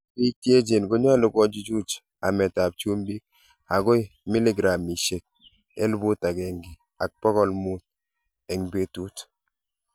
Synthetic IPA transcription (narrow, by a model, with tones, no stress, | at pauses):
i˦tje˦d͡ʒe˨nɡo˦ɲɔ˦lɔ˨˦ɡɔ˦d͡ʒi˦d͡ʒu˦t͡ʃ | a˨mɛ˨ta˨p̚t͡ʃu˦mbi˦k̚ | a˨ɡɔ˦jmɪ˦lɪ˦ɡɾa˨mi˨ʃe˨k̚ | ḛ˦lbʊ˦ta˨ɡɛ˨ŋɡɪ˨ | a˨k̚pɔ˦kɔ˦lmu˦t̚ | e˨ŋbe˦tu˦t